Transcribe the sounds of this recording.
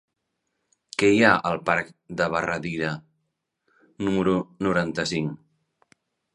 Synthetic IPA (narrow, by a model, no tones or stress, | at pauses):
kɛjaʔəlˠpaɾk̚d̪əβ̞ərəðiɾə | numəɾunuɾant̪əsiŋ